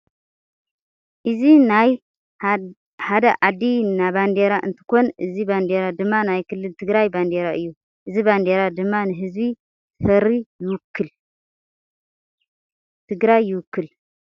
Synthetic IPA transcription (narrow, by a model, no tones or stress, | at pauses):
ʔɨzinaj | had̪ɐʔad̪inaband̪eɾaʔɨnt̪ʰɨ̥ko̞nɨziband̪eɾad̪ɨmːanajkʰɨlːɨlt̪ʰɨɡɾajband̪eɾaʔɨjːu | ʔɨziband̪eɾad̪ɨmːanɨɦɨzbi | fɐɾijwkːɨl | t̪ʰɨɡɾajːɪwʊkːɨl